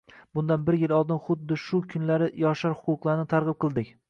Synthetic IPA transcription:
bʊnd̪anbɪɾjɪlˠɒlˠd̪ɪnχʊd̪ːɪʃʊkʰʊnlaɾɪjɒʃaɾhʊqʰʊqlˠaɾɪnɪt̪ʰaɾʁɨp̚qʰɨlˠd̪ɪkʲ

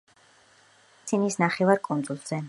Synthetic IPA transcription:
t̪sʰinisnaχɛvaɾkʼunzulˠz̥ɛ

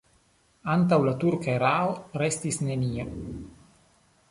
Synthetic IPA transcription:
ant̬awlat̪uɾkaeɾaoɾestisne̞nia

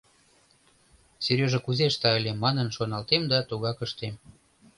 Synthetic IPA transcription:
serʲjøʒĕkuzeʃt̪ɑəlʲemːɑnənʃonɑlt̪emd̪ɑt̪uɣɑkəʃt̪em

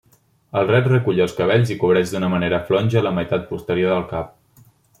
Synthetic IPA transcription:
əlˠrɛt̪rəkuʎəlˠskəβ̞ɛʎzikuβ̞ɾɛʒd̪unəməneɾəflɔnʲʒələməjt̪at̪̚pust̪əɾioðəlˠkap̚

